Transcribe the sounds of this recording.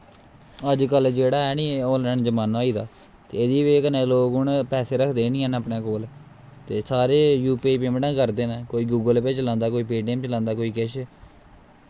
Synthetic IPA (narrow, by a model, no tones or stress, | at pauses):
əd͡ʒkəld͡ʒd͡ʒeːɽaːɛːniːoːləɳd͡ʒəmaːnaːiːd̪aː | t̪eːɪd̪iːʋeːkənẽːloːɡʊɳpɛːseːɾəkʰd̪eːnĩːɦənəpɳẽːkoːl | t̪eːsaːɾeːjuːpiːpeːmʈãːkəɾd̪eːnaːkoːiːɡuːɡəlpɪt͡ʃlãːnd̪aːkoːiːpiːɖeːmt͡ʃəlãːnd̪aːkoːiːkɪʃ